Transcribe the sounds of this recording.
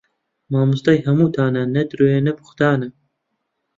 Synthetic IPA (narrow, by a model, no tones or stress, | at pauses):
maːmust̪ɑjhɐmuːt̪ʰaːnanɐd̪ɾoːjenɐbu̥xd̪aːnɐ